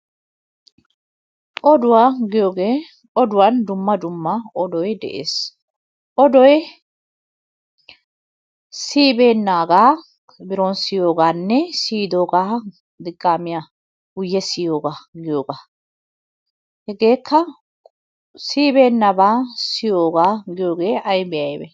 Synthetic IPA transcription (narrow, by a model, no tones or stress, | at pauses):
ʔɔd̪ʊwaːɡɪjoːɡe̞ː | ʔɔd̪ʊwɐnd̪ʊmːɐd̪ʊmːɐʔɔd̪ɔjd̪ɛ̰ʔḛːs | ʔɔd̪ɔj | siːbeːnːaːɡaː | bɪɾonsɪjo̞ːɡaːnːɛsiːd̪oːɡaː | d̪ɪɡʼːaːmɪja | hʊjːɛsɪjo̞ːɡaːɡɪjoːɡaː | hɛɡe̞ːkʰːɐ | siːbe̞ːnːɐbaːsɪjoːɡaːɡɪjo̞ːɡe̞ːʔɐjbɛjɐjbɛ